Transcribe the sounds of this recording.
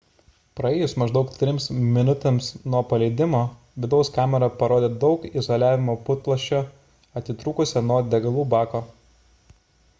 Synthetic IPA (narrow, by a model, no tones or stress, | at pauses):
pɾɐeːjʊsmɐʒd̪ɒʊkt̪ʲɾʲɪmsmʲɪnʊt̪ʲemsnuɔpɐlʲɛɪd̪ʲɪmoː | ʋʲɪd̪ɒʊskɑːmʲɛɾɐpɐɾoːd̪ʲeːd̪ɒʊkɪzoːlʲæːʋʲɪmoːpʊt̪̚plˠɐʃʲt͡ʃʲoː | ɐt̪ʲɪt̪ɾuːkʊsʲɛnuɔd̪ʲɛɡɐlˠuːbɑːkoː